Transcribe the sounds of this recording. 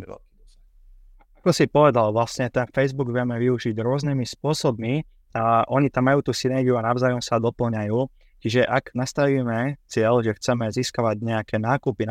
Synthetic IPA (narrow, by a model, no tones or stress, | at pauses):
ɛ̰lk | akɔsipɔʋɛd̪alʋlasɲɛt̪ɛnfɛjzbuɡʋɪɛmɛʋiuʒiɟɾʊɔznimispʊɔsɔbmi | ʔɔɲit̪amːajuːt̪uːsinɛɾɡiuanaʊzaːjɔmsad̪ɔpl̩ɲajuː | t͡ʃiʒɛʔaɡnast̪aʋiːmɛt͡sɪɛʎʒɛxt͡sɛmɛziːskaʋaɟɲɛakɛnaːkupi